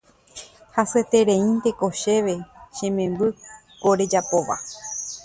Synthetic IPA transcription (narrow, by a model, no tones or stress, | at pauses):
haset̪e̞ɾẽĩnt̪e̞ko̞ʃe̞ʋe̞ʃẽ̞mẽmbɨ | koɾe̞d͡ʒapo̞ʋa̰